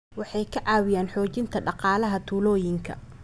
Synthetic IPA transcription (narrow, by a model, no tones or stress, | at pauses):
wɑħɑjkʰɐʕɑːwɪjaːnħɔːt͡ʃɪnt̪ʰɐɖɑqɑːlɐɦɐt̪ʰuːlɔːjɪŋkʰɐ̰